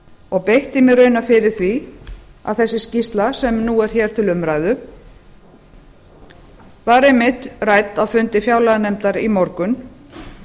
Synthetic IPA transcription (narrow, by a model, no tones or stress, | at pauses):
ɔɣpejht̪ɪmɛðɾœɥnafɪɾɪɾ̥θvi | a̰ðθɛsːɪscist̪lasɛmnuːɛɾ̥çɛɾ̥t̪ʰɪlʏmɾajðʏ | vaɾejmɪt̪rajt̪awfʏnt̪ɪfjaːwlanɛmt̪aɾimɔɾkʏn